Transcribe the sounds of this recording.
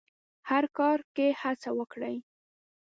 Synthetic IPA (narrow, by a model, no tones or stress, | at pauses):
haɾkɑɾkehat͡sawəkɽəj